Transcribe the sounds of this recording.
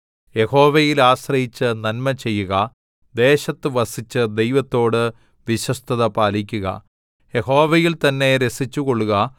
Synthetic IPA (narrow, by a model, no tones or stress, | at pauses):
je̞ho̞ːʋɐjilaːɕrɐjit͡ɕːɨnɐnmɐt͡ɕe̞jːuɣɐ | d̪e̞ːɕɐt̪ːɨʋɐsit͡ɕːɨd̪e̞jʋɐt̪ːo̞ːɽɨ | ʋiɕwɐst̪ʰɐðɐpaːlikʲːuɣɐ̰ | je̞ho̞ːʋɐjilt̪ɐnːe̞ɾe̞sit͡ɕːuko̞ɭːuɣɐ